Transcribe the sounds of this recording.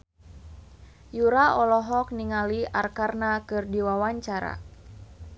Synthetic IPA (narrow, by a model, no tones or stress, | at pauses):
juɾaɔlɔɦɔk̚niŋaliarkarnakɨrdiwawaɲt͡ʃaɾa̰